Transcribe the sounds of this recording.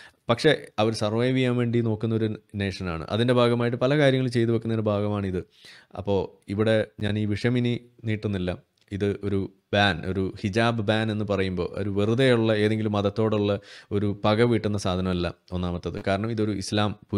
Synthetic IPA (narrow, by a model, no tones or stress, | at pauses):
pɐkʂe̞ɐʋɐɾsɐrʋɐjʋijamʋe̞ːɳɖino̞ːkːunːɐo̞ɾuneːʂɐna̰ːɳɨ̰ʔɐ̰ðinde̞bʱaːɡɐmaːjiʈ̬ːɨpɐlɐkaːɾjɐŋːɐɭlt͡ɕe̞jt̪̬uʋekːunɐðiɨbʱaːɡɐmaːɳɨiðɨ | ɐ̰pːo̞ːiʋiɽe̞ɲaːniːʋiʂɐmininiːʈːunːilːɐ | iðɨʔo̞ɾu | baːno̞̰ɾuhid͡ʑaːbɨbaːne̞nːɨpɐrɐjumbo̞ːʔo̰ɾuʋirud̪ɐjuɭːɐe̞ːðe̞ŋɡilumːɐðɐt̪ːo̞ːɽuɭːɐo̞ɾupɐɡɐʋiːʈːunːɐsaːd̪ʱɐnɐmɐlːɐ̰o̞nːaːmɐt̪ːɐðɨkaːɾɐɳɐmiðo̞ɾuislaːmpu